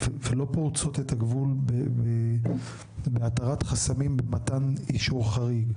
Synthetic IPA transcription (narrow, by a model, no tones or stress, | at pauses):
vevelo̞poʁut͡so̞tetaɡvulbebe | beataʁatχasamimbemataniʃuʁχaʁiɡ